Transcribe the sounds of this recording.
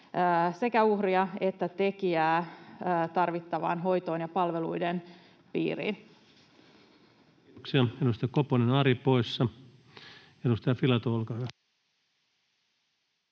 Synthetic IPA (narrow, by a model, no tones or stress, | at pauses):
se̞kæuhriɑe̞t̪ːæt̪e̞kiæː | t̪ɑrʋit̪ːɑʋɑ̰nɦo̞jt̪o̞ːnjɑpɑlʋe̞lujden | pḭːrḭn | ksiɑedust̪ɑjɑkoponenɑɾipoisːɑ | edust̪ɑjɑfilɑt̪oolkɑɑ